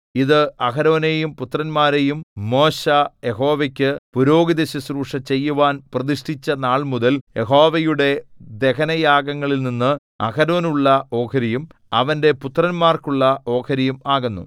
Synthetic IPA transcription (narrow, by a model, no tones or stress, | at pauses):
iðɨɐkɐɾo̞ːne̞jumput̪rɐnmaːɾe̞jumːo̞ːɕɐjeɦo̞ːʋekʲːɨpuɾo̞ːɡiðɐɕɐsruːʂɐt͡ɕe̞jːuʋaːnprɐðiʂʈit͡ɕːɐnaːɭmuðɐljeɦo̞ːʋɐjuɽe̞d̪e̞kɐnɐjaːɡɐŋːɐɭilninːɨ | ɐ̰kɐɾo̞ːnuɭːɐo̞ːkʰɐɾijum | ɐʋɐnde̞put̪rɐnmaːrkuɭːɐo̞ːkʰɐɾijumaːɣunːṵ